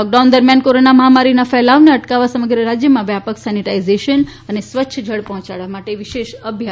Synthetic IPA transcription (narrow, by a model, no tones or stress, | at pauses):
lɔk̚ɖand̪əɾmjankoɾonaməɦamaɾinafɛɦlaʋneəʈkaʋasəməɡɾəɾad͡ʒjəmãʋjapəksaniʈaizeʃən | ənesʋətːʃʰəd͡ʒʱəɭpɔɦɔ̃t͡ʃaɭʋamaʈeʋɪʃeʃəbʱja